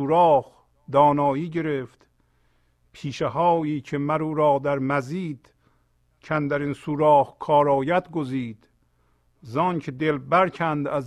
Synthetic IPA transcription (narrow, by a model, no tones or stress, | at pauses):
uːɾɒːh | d̪ɒːnɒːjiːɟe̞ɾeft̪ | pʰiːʃeɦɒːjiːcʰemæɾuːɾɒːd̪æɾmæziːd̪̥ | cʰænd̪æɾinsuːɾɒːhkʰɒːɾɒːjæd̪ɡoziːd̪̥ | zɒːncʰed̪elbæɾcʰænd̪æz